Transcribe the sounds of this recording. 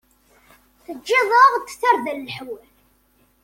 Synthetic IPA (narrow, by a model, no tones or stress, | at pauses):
θəd͡ʒːɪðˤəʁt̪ːθːəɾˤðællħwæl